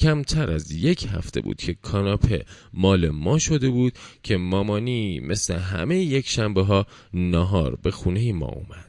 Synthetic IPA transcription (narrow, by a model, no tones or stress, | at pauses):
cʰæmt̪ʰæɾæzje̞cʰhæ̰ft̪ʰe̞̰bṵːd̪̥cʰe̞kʰɒːnɒpʰe̞̰ | mɒːle̞mɒːʃo̞d̪e̞buːd̪̥̚cʰe̞mɒːmɒːnimʔe̞sle̞ɦæ̰mejejecʰʃæmbeɦɒː | nɒɦɒːɾbe̞xuːne̞jimɒ̰ːṵmæd̪̥